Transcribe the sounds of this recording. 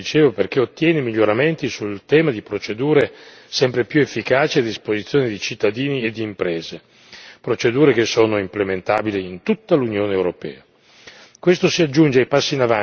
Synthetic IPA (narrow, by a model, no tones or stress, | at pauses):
it͡ʃeːvoperkeot̪ːjɛːnemiʎːoɾament̪isult̪ɛːmad̪ipɾot͡ʃed̪uːɾe | sɛmpɾepjuefːikaːt͡ʃiad̪ːispozit̪sːjoːned̪it͡ʃit̪ːad̪iːnied̪ːiːmpɾeːze | pɾot͡ʃed̪uːɾekesːoːnoimplement̪a̰ːbiliint̪ut̪ːalunjoːneːwɾopɛ̰ːa | kwest̪osiad͡ʒːund͡ʒeajpasːiːnava